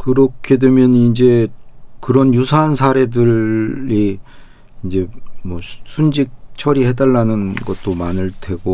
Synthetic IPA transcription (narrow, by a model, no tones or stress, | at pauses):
kɯɾʌkʰe̞dwe̞mjʌnind͡ʑe̞kɯɾʌnjusʰaːnsʰaɾe̞dɯɭi | ind͡ʑe̞mwʌsʰund͡ʑik̚t͡ɕʰʌɾiɦedaɭːanɯnɡʌt̚t͈omanɯɭtʰwe̞ɡo